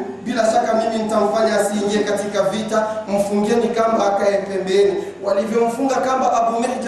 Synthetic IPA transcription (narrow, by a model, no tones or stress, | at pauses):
bilaʃakamiminitam̩faɲaasiɲɛkatikavitam̩fuŋɡɛnikambaakajɛpɛmbɛni | walivjɔm̩fuŋɡakambaʔapumɛt